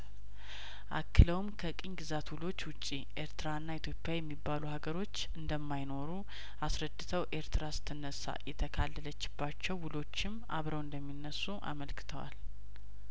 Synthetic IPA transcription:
ʔa̰kʰːɨləwmkʰəkʼiɲɡɨzat̪wʊlo̞t͡ʃːwʊt͡ʃʼːiʔe̞ɾt̪ʰɨɾaɨnːait̪ʰjo̞pʼːjajɛmːibːaluhaɡəɾo̞t͡ʃːɨnd̪əmːajno̞ɾu | ʔasɾəd̪ːɨt̪ʰəwʔe̞ɾt̪ʰɨɾasɨ̥t̪ʰɨnːəsa̰jɛt̪ʰəkʰalːələt͡ʃːɪ̥bːat͡ʃːɛwːʊlo̞t͡ʃːɪmʔa̰βɾəwɨnd̪əmːinːəsːuʔa̰məlkɨ̥t̪ʰəwa̰l

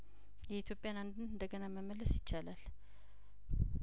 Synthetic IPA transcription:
jɛit̪ʰjo̞pʼjanand̪ɨnɨnd̪əɡənaməməlːəsjɪt͡ʃːalal

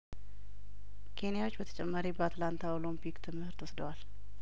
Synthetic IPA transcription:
kʰe̞nijawo̞t͡ʃːbət̪ʰə̥t͡ʃʼɛmːaɾibəat̪lant̪ʰaolimpʰikt̪ʰɨmhɨɾt̪wɔsd̪əwal

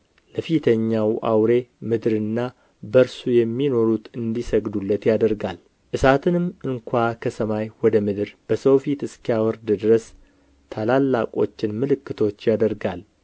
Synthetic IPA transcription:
ləfit̪ʰəɲːawʔa̰wɾe̞mɨd̪ɾɨnːa | bəɾsujɛmːino̞ɾut̪ɨnd̪isəɡd̪ulːət̪jad̪əɾɡal | ʔɨsat̪ʰɨnɨmɨŋkʷʰakʰəsəmajwɔd̪əmɨd̪ɨɾb̥əsəwfit̪ɨskʰijawɔɾd̪ɨd̪ɨɾəs | t̪ʰalalːakʼo̞̰t͡ʃːɪnmɨlɨkːɨt̪ʰo̞t͡ʃːjad̪əɾɡal

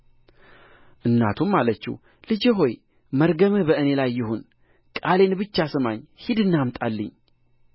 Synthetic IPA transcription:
ʔɨnːa̰t̪ʰummalət͡ʃːɛ̰ | lɨd͡ʒeɦo̞j | məɾɡəmɨbəʔɨne̞lajːɪɦon | kʼale̞nbɨt͡ʃːasɨmaɲːhid̪ɨnːamt̪ʼalːə̰ɲː

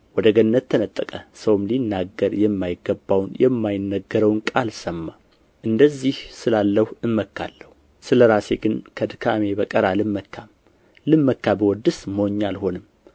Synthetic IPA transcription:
wɔd̪əɡənːət̪ʰːənət̪ʼːəkʼəsəwmlinːaɡːəɾjɛmːajɪɡːəbːawnjɛmːajɪnːəɡːəɾəwnkʼalsəmːa | ʔɨnd̪əzːihsɨlalːəhuɨmːəkːa̰lːəhu | sɨləɾase̞ɡɨnkʰəd̪ɨkʰame̞bəkʼəɾalɨmːəkʰːam | lɨmːəkːabəwɔd̪ɨsməwoɲːalho̞nɨm

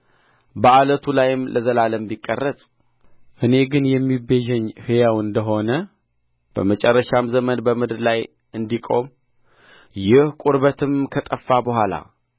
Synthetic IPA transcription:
bəalət̪ʰulajɪmlʔəzəlaləmbikʼːərːəsʼ | ʔɨne̞ɡɨnjɛmːibeʒɛɲːhɨjawɨnd̪əɦo̞nə | b̥ə̰mət͡ʃʼɛrːəʃamzəmənbəmɨd̪ɾlaj | ʔɨnd̪ikʼo̞̰m | jɪhkʼuɾbət̪ʰɨmkʰət̪ʼəfːabəɦʷala̰

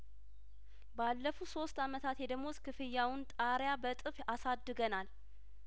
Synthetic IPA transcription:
balːəfuso̞st̪amət̪ʰat̪jɛd̪əɡmoskʰɨfɨjːawʊnt̪ʼaɾjabət̪ʼɨfasad̪ːɨɡənal

